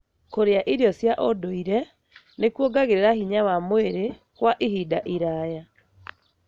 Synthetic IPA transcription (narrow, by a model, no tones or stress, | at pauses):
koɾeaʔiɾeɔsjaʔodoiɾɛ | nekwoɡaɣeɾeɾahiɲawamoeɾe | kwaʔiɦidaʔiɾaja